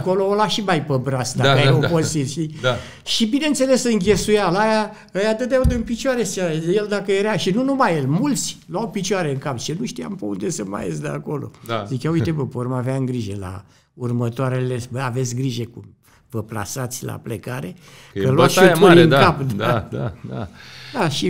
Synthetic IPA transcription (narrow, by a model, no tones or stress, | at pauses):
ko̞loolaʃimajpəbɾasd̪aəjeoposit̪ʃt̪i | ʃibine̞ɨnt̪se̞le̞sɨŋɡʲe̞sujalaja | əjat̪ɨt̪̚d̪eaund̪ɨnpit͡ʃuaɾesajeld̪akəjeɾaʃinunumajelmult̪sʲlawpit͡ʃuaɾeɨŋkapt͡ʃenuʃt̪ia̰mpəund̪e̞sɨnma̰jezd̪əa̰ko̞lo̞̰zit͡ʃaujt̪epəpormaveaɨŋɡɾiʒela̰ | urmət̪oaɾeleəave̞t̪sʲɡɾiʒekum | vəpla̰sat̪sʲla̰plekaɾe | kəlwaʃopuɨŋd̪kapd̪aaa̰d̪aʃi